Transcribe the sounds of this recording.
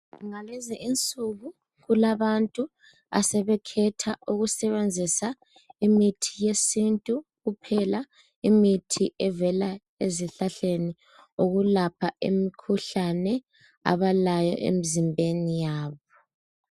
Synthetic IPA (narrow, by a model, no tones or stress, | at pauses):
ŋalizɛʔint͡sʼuɣu | ɣulaβantʼu | a̰sɛβɛkʰɛtʰauɣusɛβend͡zʱisa | imitʰijesintʼuɣupʰɛla | imitʰiʔɛvɛla | eziɬaɬeni | oɣulapʰaemikʰuɬanɛ | a̰βalajɔ̰ʔḛmizimbʱenijaːβɔ